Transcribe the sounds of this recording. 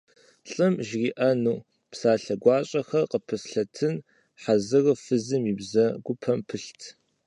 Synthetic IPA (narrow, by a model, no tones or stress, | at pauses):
ɬʼɨmʒriːʔɐnuː | psaːɬɐɡʷɑːɕʼɐxɐqəpʰɨsɬɐtʰɨn | ħazɨrfɨzɨmiːbzɐɡʷʊpʰɐmpʰɨɬtʰ